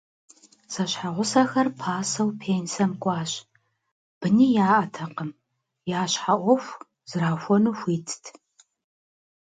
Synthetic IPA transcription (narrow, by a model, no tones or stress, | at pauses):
sɐɕħaʁʷʊsɐxɐrpʰaːsɐwpʰeːnsɐmkʷʼɑːɕ | b̥ɨniːjaːʔɐtʰɐqəm | jaːɕħaʔʷɔfʷ | z̥ɨraːxʷɔnuxʷiːtʰtʰ